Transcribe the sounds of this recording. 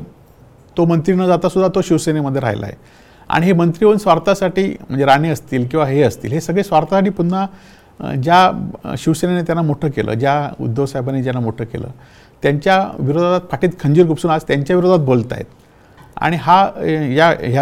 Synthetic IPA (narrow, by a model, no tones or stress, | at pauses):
t̪omənt̪ɾinəd͡zat̪asud̪ʱːat̪oɕiʋseneməd̪ʱːjeɾa̰ɦjla̰ḛ | a̰ɽ̃iɦemənt̪ɾiːənsʋaɾt̪asaʈiːm̤əɳd͡zeɾaɽ̃eəst̪iːlkĩw̃ʋaɦeəst̪ḭːlɦesəɡɭesʋaɾt̪asaʈiːpuɽna | d͡ʑaɕiʋsenenet̪janːamoʈʰəːkelə̰ːd͡ʑjaṵd̪ʱːəʋsajbaned͡ʑjanːamoʈʰəːkḛlə̰ː | t̪jaɲt͡ɕjaʋiɾod̪ʱaat̪pʰaʈiːt̪kʰəɲd͡ʑiːɾɡupsuːnad͡zt̪jaɲt͡ɕjaʋiɾod̪ʱat̪̚bolt̪a̰jḛt̪ | a̰ɽ̃iɦaɦjaɦja